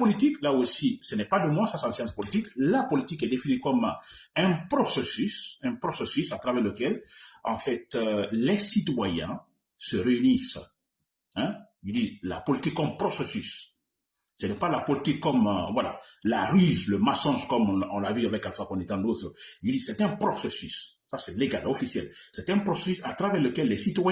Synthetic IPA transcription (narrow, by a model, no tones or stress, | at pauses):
pɔlit̪iklaosisənɛpad̪əmwãsasɑ̃sjɑ̃spɔlit̪iklapɔlit̪ikɛd̪efinikɔmɛ̃pχɔsesysɛ̃pχosesysat̪ʁavɛʁləkɛlɑ̃fɛt̪lɛsit̪wajɛ̰̃ | səʁeynis | ɛ̃id̪ila̰pɔlit̪ikːɔmpχɔsesys | sɛnɛpalapɔlit̪ikːɔmvwala̰laʁyzləmasɔ̃skɔm̃ɔ̃lavyavɛkalfakɔ̃nɛt̪ɑ̃d̪ot̪ɾəild̪isɛt̪ɛ̃pχɔsesysː | asɛleɡa̰lofisjɛlsɛt̪ɛ̃pʁose̥sysat̪ʁavɛʁləkɛlːɛsit̪wa